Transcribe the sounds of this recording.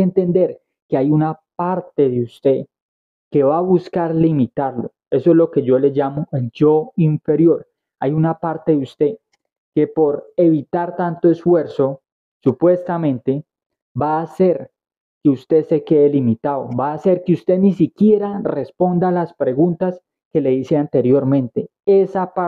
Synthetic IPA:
ent̪e̞nd̪e̞ɾ | keajunapaɾt̪e̞ðeust̪e̞ | ke̞βaβuskaɾlimit̪aɾlo̞ | e̞soezlo̞ke̞ʝo̞le̞ʝamo̞eld͡ʒo̞iɱfe̞ɾjo̞ɾ | ajunapaɾt̪e̞ðeust̪e̞ | ke̞po̞ɾe̞βit̪aɾt̪ant̪oe̞sfwe̞ɾso̞ | supwe̞st̪amẽ̞nt̪e̞ | baːse̞ɾ | keust̪e̞se̞ke̞elimit̪aðoβaːse̞ɾkeust̪e̞nisikje̞ɾare̞spo̞nd̪alaspɾe̞ɣunt̪as | ke̞le̞ðise̞ant̪e̞ɾjo̞ɾmẽ̞nt̪e̞ | esaa

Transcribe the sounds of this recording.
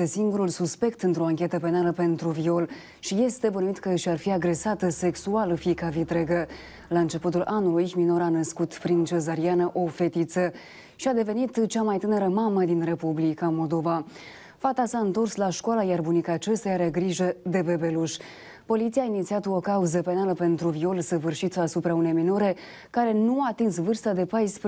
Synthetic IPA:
esiŋɡuɾulsuspe̞kt̪ɨnt̪ɾo̞aŋkʲe̞t̪əpe̞naləpe̞nt̪ɾuvio̞l | ʃije̞st̪e̞bənuit̪kəʃarfiaɡɾe̞sat̪əse̞ksualfikavit̪ɾe̞ɡə | laɨnt͡ʃe̞put̪ulʔanulujmino̞ɾanəskut̪pɾint͡ʃe̞zaɾianəʔo̞fe̞t̪it̪sə | ʃiad̪e̞ve̞nit̪t͡ʃamajt̪ɨneɾəmaməd̪inre̞publikamo̞ld̪o̞va | fat̪asaɨnt̪o̞rslaʃkoalajarbunikat͡ʃest̪ajaɾeɡɾiʒəd̪e̞be̞be̞luʃ | po̞lit̪sijaːinit̪siat̪okauzəpe̞naləpe̞nt̪ɾuvio̞lsəvɨrʃit̪sasupɾaune̞jmino̞ɾe̞ | kaɾe̞nuaːt̪insvɨrst̪ad̪e̞pajsp

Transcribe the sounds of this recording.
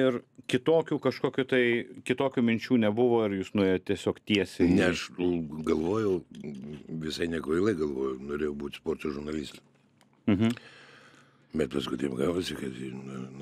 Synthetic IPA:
ɪrkʲɪt̪oːkʲuːkɐʃkoːkʲʊt̪ɐɪkʲɪt̪oːkʲuːmʲɪnʲt͡ʃʲuːnʲɛbʊʋoːɪɾjuːsnʊeːjot̚tʲiɛsʲoːkt̪ʲiɛsʲɛnʲɛɐʃɡɐlˠʋoːjɛʊ | ʋʲɪsɐɪnʲiɛkʋɐɪlˠɐɪɡɐlˠʋoːjɛʊnoːɾʲeːjɛʊbuːt̪ʲspoːrt̪oʒʊɾnɐlʲiːsʲt̪ʲɛ | m̩ɦ̩ | bʲɛt̪pɐskʊɪt̪ʲeːpɡɑːʋoːsʲɪkɐt̪jinʊ

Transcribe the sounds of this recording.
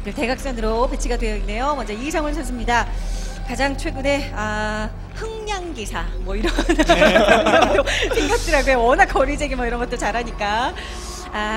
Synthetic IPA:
kɯɭte̞ɡak̚s͈ʌnɯɾope̞t͡ɕʰiɡadwe̞jʌinːe̞jomʌnd͡ʑʌisʰʌŋɯɭsʰʌns͈ʰɯmɲidakad͡ʑaŋt͡ɕʰwe̞ɡune̞a | hɯŋɲaŋɡisʰamwʌiɾʌnkaɡɯɾʌmt͈osʰeŋɡjʌk̚t͈ɯɾaɡojwʌnakʰʌɾid͡ʑeɡimʌiɾʌnŋɡʌt͈ot͡ɕaɾɦaɲik͈a | a

